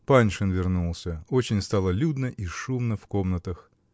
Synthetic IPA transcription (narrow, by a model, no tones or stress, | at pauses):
panʲʂɨnvʲɪrnulˠsʲəot͡ɕɪnʲst̪alˠəlʲud̪nəʔiʂumnəfkomnət̪əx